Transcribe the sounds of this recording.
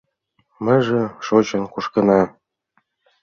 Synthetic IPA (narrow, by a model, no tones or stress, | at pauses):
mə̆ʒĕʃot͡ɕɤ̆nkuʃkɤ̆nɑ